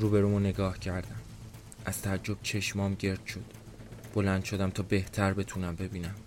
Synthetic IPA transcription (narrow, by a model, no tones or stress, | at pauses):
ɾuːbe̞ɾuːmone̞ɡɒːhcʰæɾd̪æm | ʔæz̥t̪ʰææd͡ʒːo̞b̥̚t͡ʃʰe̞ʃmɒːmɟe̞ɾd̪̥ʃo̞d̪̥b̥o̞lænd̪̥ʃo̞d̪æmt̪ʰɒːbe̞ht̪ʰæɾbe̞t̪ʰunæmbe̞biːnæm